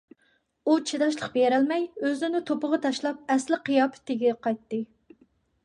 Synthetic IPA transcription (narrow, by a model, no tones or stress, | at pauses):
ut͡ʃʰed̪ɑʃlˠəqbeɾɛlmɛjøznɪnɪt̪ʰopəʁɑt̪ʰɑʃlˠɑp̚ɛslɪqijɑpʰɛ̥t̪ːɪɡʲɛqʰɑjt̪ːɨ